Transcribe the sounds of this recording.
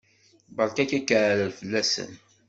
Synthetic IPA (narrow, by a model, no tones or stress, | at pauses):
bɑɾˤkækækːəʕɾəlfəlːæsə̰n